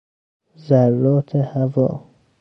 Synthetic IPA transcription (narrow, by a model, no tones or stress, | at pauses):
zarːɔːt̪ʰehavɔ̰ː